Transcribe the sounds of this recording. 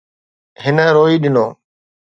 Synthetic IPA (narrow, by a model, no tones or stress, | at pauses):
ɦɪnəɾoːiːɗɪnoː